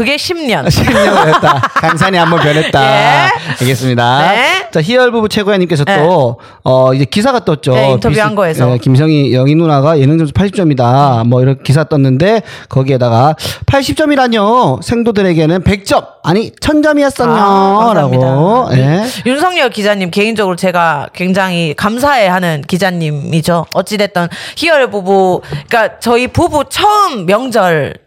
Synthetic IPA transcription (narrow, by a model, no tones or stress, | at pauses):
kɯɡeɕʰimɲʌnɕʰimɲʌnʌɦet͈akaŋs̬ʰaɲiambʌnp̬jʌnɦet̚t͈a | aɭɡe̞s͈ɯmɲidat͡ɕaçiʌɭbubut͡ɕʰe̞ɡojaɲimk͈e̞s̬ʰʌt͈o | ʌid͡ʑe̞kisʰaɡat͈ʌt̚t͡ɕ͈oktʰjanɡʌesjekims̬ʰʌŋijʌŋinːunaɡajenɯŋd͡ʑʌmsʰpʰaɭɕʰi̥p̚t͡ɕ͈ʌmidamwʌiɾʌɭkʰekis̬ʰaɡat͈ʌnːɯnde̞kʌɡie̞daɡapʰaɭɕʰip̚t͡ɕ͈ʌmiɾaɲosʰe̞ŋdodɯɾe̞ɡe̞nɯnpe̞k̚t͡ɕ͈ʌm̚aɲit͡ɕʰʌnd͡ʑʌmiʌs͈ʌɲoɾaɡojejunsʰʌŋɲʌɭkid͡ʑaɲːimke̞ind͡ʑʌɡɯɾot͡ɕe̞ɡakwe̞ŋd͡ʑaŋɦikams̬ʰae̞hanɯnkid͡ʑaɲːimid͡ʑoʌt̚t͡ɕ͈idwe̞t̚t͈ʌnçiʌɭbubuik͈at͡ɕʌipubut͡ɕʰʌɯmːjʌŋd͡ʑʌɭ